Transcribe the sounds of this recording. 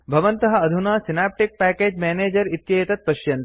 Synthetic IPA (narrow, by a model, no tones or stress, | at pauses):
bʱɐʋɐnt̪ɐɦɐ̆ɐd̪ʱunaːsinaːp̚ʈik̚pæːkeːd͡ʒmæːneːd͡ʒɐɾit̪jɐjɐt̪ɐt̪̚pɐʃjɐnt̪